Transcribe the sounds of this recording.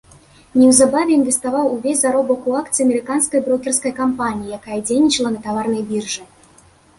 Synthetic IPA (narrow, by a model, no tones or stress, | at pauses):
nʲɛwzabavʲɛinvʲɛst̪avawuvʲesʲzaɾɔbɐkuakt̪sɨɐmʲɛɾɨkanskɐjbɾɔkʲɛrskɐjkampanʲijijakajɐd͡zʲejnʲit͡ʂɐlˠɐnɐt̪avarnɐjbʲirʐɨ